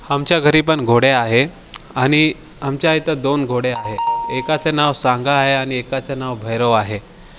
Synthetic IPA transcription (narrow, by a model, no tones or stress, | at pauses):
amt͡ɕjaɡʱəɾip̬əɳɡʱoɽeaɦe | añi | amt͡ɕjait̪əd̪onɡʱoɽeaɦeekat͡senaʋsãŋɡaːɦeaɽ̃iekat͡senaʋbʱəjɾəʋaɦe